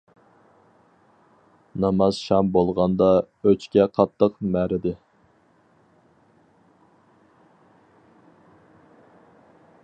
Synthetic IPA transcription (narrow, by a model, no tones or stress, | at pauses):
nɑmɑz̥ʃɑmbolˠʁɑnd̪ɑ | øt͡ʃkʲɛqʰɑt̪ʰːəqmæɾɪd̪ɪ